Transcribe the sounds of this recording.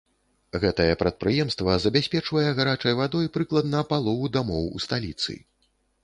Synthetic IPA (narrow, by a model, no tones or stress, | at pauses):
ɣɛt̪ɐjɛpɾɐt̪̚pɾɨjɛmst̪vɐzɐbʲasʲpʲɛt͡ʂvɐjɛɣaɾat͡ʂɐjvad̪ɔjpɾɨklˠɐd̪nɐpalˠɔvud̪amɔwṵst̪alʲit̪sɨ̰